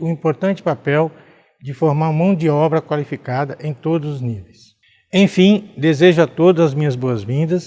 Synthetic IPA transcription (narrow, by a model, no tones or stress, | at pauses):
ʊĩpoɾt̪ɐ̃nt͡ʃɪ̥papɛw | d͡ʒɪfoɾmaɾũmɐ̃w̃d͡ʒɪɔbɾɐkwalifikad̪ɐʔẽj̃t̪od̪ʊzʊznivejs | ẽj̃fĩd̪ezeʒʊat̪od̪ʊzɐzmĩɲɐzboɐzvĩnd̪ɐs